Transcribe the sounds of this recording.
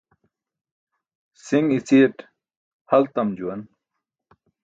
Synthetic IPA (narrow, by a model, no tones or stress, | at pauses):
siŋɡit͡siʈ | hɐlt̪ɐmd͡ʑuwɐn